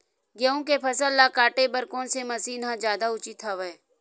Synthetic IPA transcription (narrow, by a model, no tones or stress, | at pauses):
ɡjəõkepʰɐsəlːakaːʈebɐɾkɔːnsemɐsiːnɦãd͡ʒjaːd̪aʊt͡ʃit̪ʰaːʋə